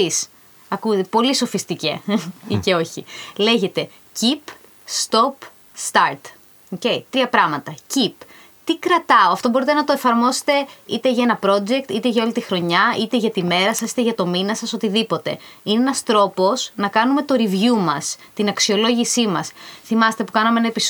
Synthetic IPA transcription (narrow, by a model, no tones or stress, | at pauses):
is | ɐkupo̞liso̞fist̪icḛice̞o̞çile̞ʝe̞t̪e̞ | cip | st̪o̞p | st̪ɐɾt̪ | oce̞it̪ɾiɐpɾɐɣmɐt̪ɐcip | t̪ikɾɐt̪ɐoɐft̪o̞bo̞ɾit̪e̞nɐt̪o̞efɐɾmo̞se̥t̪e̞it̪eʝɐe̞nɐpɾo̞d͡ze̞k̚t̪it̪e̞ʝɐolit̪ixɾo̞ɲɐit̪e̞ʝɐt̪ime̞ɾɐsɐsi̥t̪eʝɐt̪o̞minɐsɐsot̪iðipo̞t̪e̞̰ineenɐst̪ɾo̞po̞snɐkɐnume̞t̪o̞ɾivʝumɐst̪inɐksio̞lo̞ʝisimɐsθimɐset̪e̞pukɐnɐmeenɐepis